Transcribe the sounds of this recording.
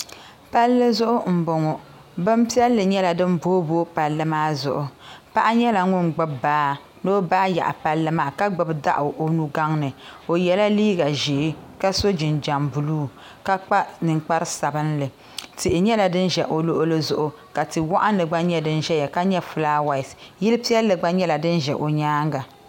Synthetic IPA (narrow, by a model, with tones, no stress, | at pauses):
pa˦lːɨ˦zʊ˦ʔʊ˦ŋ͡m̩˨bʊ˨ŋɔ˨ | bɨ˦mpi˦ɛ˦lːɨ˨ɲɛ˦la˨dɨ˦nboː˦boː˦pa˨lːɨ˦maː˦zʊ̰˨ʔʊ˨˦pa˦ʔa˦ɲɛ˦la˨ŋʊ˦nɡ͡bɨ˦bbaː˦ | noː˦baː˦ja̰˨ʔa˨pa˦lːɨ˦maː˦˨ka˦ɡ͡bɨ˨bda̰˦ʔʊ˨ʔo˦nu˦ɡa˦ŋnɨ˨o˨jɛ˨la˦liː˦ɡa˨ʒeː˨˦ka˦so˦d͡ʒɪ˨nd͡ʒa˨mbu˨luː˦ | ka˦k͡pa˦nɨ˨ŋk͡pa˦ɾɨ˦sa˨bɨ˦nlɨ˨ | tɨ˨ʔɪ˨ɲɛ˦la˨dɨ˦nʒɛ˨ʔo˨lo˦ʔʊ˦lɨ˦zʊ˦ʔʊ˨ | ka˨tɨ˨wɔ˦ʔa˦nlɨ˨ɡ͡ba˦ɲɛ˦dɨ˦n˦ʒɛ˦jɛ˨ka˦ɲɛ˦fɨ˨laː˦wa˨ɪ˨sji˦lɨ˦pi˦ɛ˦lːɨ˨ɡ͡ba˦ɲɛ˦la˨dɨ˦nʒɛ˨ʔo˨ɲaː˦ŋɡa˨